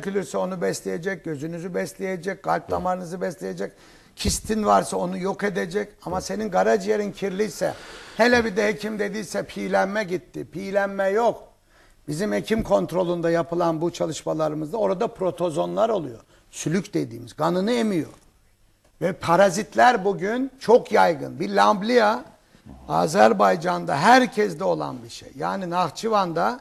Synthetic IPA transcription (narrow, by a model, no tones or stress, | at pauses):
cylʲyɾsɛo̞nubɛslʲejed͡ʒɛc̚ɟø̞zynyzybɛslʲejed͡ʒɛc̚ɡ̥alʲp̚d̪ʰamaɾɯnɯzɯbɛslʲejed͡ʒɛc̚ | cʰist̪ʰinvaɾsao̞nujo̞ked̪ed͡ʒɛcamase̞ninɡaɾad͡ʒjeɾincʰiɾlʲijsɛ̰helʲɛbid̪ɛhecʰimd̪e̞d̪ijsɛpʰiːlʲænmɛɟit̪ʰːipʰiːlʲænmɛjok | b̥izimhecʰimkʰo̞nt̪ɾo̞lˠund̪ajapʰɯlˠanbut͡ʃʰalˠɯʃmalˠaɾɯmɯzd̪ao̞ɾad̪apɾo̞t̪ʰo̞zo̞nlˠaɾo̞lˠujo̞̰ | sylʲycd̪ed̪iːmizɡanɯnɯemijo̞̰ɾ | vɛpʰaɾazit̪ʰlʲæɾbuɟynt͡ʃʰo̞kʰjajɡɯ̰nbilʲamblʲija | a̰ːzæɾbajd͡ʒand̪a̰ɦæɾcʰɛzd̪ɛo̞lˠa̰nbiʃḛjːa̰ːninaɣt͡ʃʰɯvand̪a